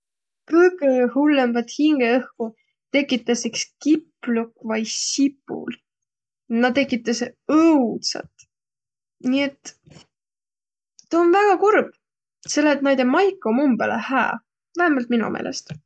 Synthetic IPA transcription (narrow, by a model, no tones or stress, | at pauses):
kɯjkehulːemvɑt̪hiŋɡ̥eɤhku | t̪e̞kːˑit̪ːˑɑsekskipːlukːvɑjsipːṵl | nɑt̪ːe̞kːˑit̪ːˑɑseɤwt̪sɑ̰t̪ | niet̪ː | t̪ɑonvæɡ̥ɑkurb̥ | se̞lːeːt̪næjd̪emɑjkːˑomumbelʔehæ̰ː | væhæmɑlt̪̚minṵmʔḛːlʔḛst̪